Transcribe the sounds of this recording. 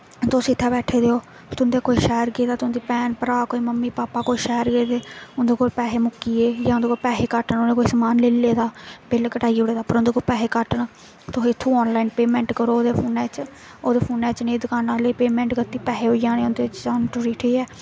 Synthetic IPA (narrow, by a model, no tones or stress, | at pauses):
t̪osɪt̪ʰːaːbɛːʈʰeːd̪eoː | t̪ʊnd̪eːkoːiːʃɛːəɾɡeːd̪aːt̪ʊnd̪iːpɛːnpəɾaːkoːiːməmːiːpaːpaːkoːiːʃɛːəɾɡeːd̪eːʊnd̪eːkoːlpɛːɦeːmʊkːiːeːjãːʊnd̪eːkoːpɛːɦeːkəʈəɳoneːkoːiːsəmaːnleːlːeːd̪aːbɪlkəʈaːiʊɽeːd̪aːpəɾõnd̪eːkoːlpɛːɦeːkəʈəɳ | t̪oɦːt̪ʰːũːɔːnlaːiːnpeːmɛ̃ːɳʈkəɾoːoːd̪eːpʰoːnɛːt͡ʃ | oːd̪eːpʰoːnɛːt͡ʃnẽːd̪ʊkaːnãːləiːpeːmɛ̃ːɳʈɡət̪iːpɛːɦeːoːiːd͡ʒaːneːʊnd̪eːt͡ʃt͡ʃaːnʈʊɾiːʈʰeːɛː